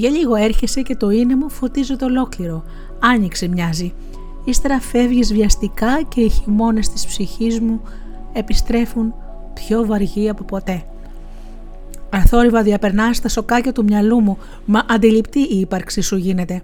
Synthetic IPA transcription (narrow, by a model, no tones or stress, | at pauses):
ʝɐʎiɣo̞e̞ɾçe̞se̞ce̞t̪o̞inemufo̞t̪izot̪eolo̞kliɾo̞ | ɐɲiksimɲɐzi | ist̪e̞ɾɐfe̞vʝizvʝɐst̪ikɐce̞içimo̞ne̞st̪i̥spsiçizmu | e̞pist̪ɾe̞fun | pço̞vɐɾʝiɐpo̞po̞t̪e̞ | ɐθo̞ɾivɐðiɐpe̞ɾnɐst̪ɐso̞kɐcɐt̪umɲɐlumu | mɐʔɐnd̪ilipt̪iʔiːpɐɾksisuʝine̞t̪e̞